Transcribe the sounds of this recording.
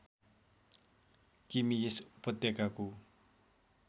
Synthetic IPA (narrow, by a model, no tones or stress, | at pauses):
kimijespɔt̪ːekaku